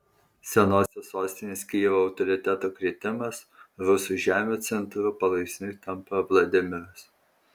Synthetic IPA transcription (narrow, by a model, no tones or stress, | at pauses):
sʲɛnoːsʲosoːsʲt̪ʲɪnʲɪsʲkʲiːʋoːɐʊt̪ɔɾʲɪt̪ʲæt̪oːkɾʲiɛt̪ʲɪmɐs | ɾʊsuːˑʒʲæːmʲoːt̪sʲɛnˑt̪ɾʊpɐlˠɐɪksʲnʲʊt̪ɐmpɐʋlˠɐd̪ʲɪmʲɪɾos